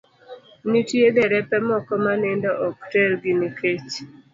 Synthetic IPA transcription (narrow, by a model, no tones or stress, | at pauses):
nitjed̪ɛɾɛpɛmɔkɔmanɪndɔʔɔk̚telɡɪnikʰet͡ʃ